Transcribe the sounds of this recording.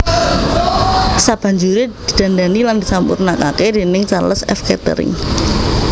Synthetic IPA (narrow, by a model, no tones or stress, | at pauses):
sab̥a̤ɲd͡ʒuɾid̪̥i̤d̪̥a̤ndanilandisampṵrnaka̰kedenɪŋt͡ʃarləsɛ̰fkɛt̪ə̰ɾɪ̰ŋ